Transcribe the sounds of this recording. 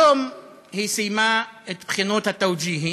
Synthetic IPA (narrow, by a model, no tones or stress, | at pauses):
om | hisijmaet̪bχinot̪hat̪ːawd͡ʒiːɦi